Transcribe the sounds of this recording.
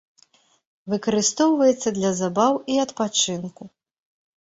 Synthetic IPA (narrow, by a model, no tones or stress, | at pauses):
vɨkɐɾɨst̪ɔwvɐjɛt̪sːɐd̪lʲɐzabawiɐt̪pat͡ʂɨnku